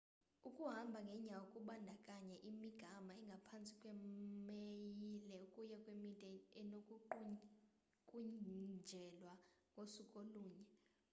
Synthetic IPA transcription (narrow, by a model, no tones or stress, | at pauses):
ukʼuɦambʱaŋɡʱɛɲawokʼuɓandʱakʼaɲɛʔimiɡ̥ʱamaɛŋɡʱapʰant͡sʼi̥kʼwɛmejilɛukʼujɛkʼwemitʼɛɛnokʼuǃ | kʼuɲd͡ʒʱɛlwaŋɡʱosukʼoluːɲɛ